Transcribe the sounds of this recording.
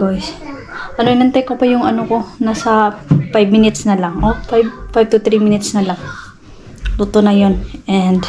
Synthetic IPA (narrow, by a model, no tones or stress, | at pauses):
ɡajs | ʔɐnoʔɪnɐnt̪ajkopɐjʊŋɐ̰noko̞nasɐfajbmɪnɪt̪snɐlaŋʔofajb̚fajb̚t̪ʊt̪ɾimɪnɪt̪snɐlaŋ | lut̪onɐjonʔɛnd̪